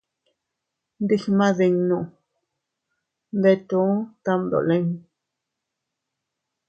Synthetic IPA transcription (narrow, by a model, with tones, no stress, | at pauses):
nd̪i˦xmã˦ði˧ŋnũ˧˨ʔ | nd̪e˧t̪u˦t̪a˦md̪o̰˨le˦ŋ